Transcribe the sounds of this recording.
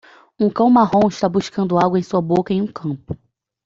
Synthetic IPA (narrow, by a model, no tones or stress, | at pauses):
ũkɐ̃w̃maɦõw̃ɪʃt̪abuʃkɐ̃nd̪ʊawɡwɐẽj̃suɐbokɐẽj̃ũkʰɐ̃pʊ̥